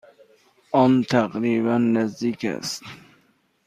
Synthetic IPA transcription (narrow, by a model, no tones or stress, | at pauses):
ɔnt̪ʰæqɾiβænːæzd̪ikæ̰st̪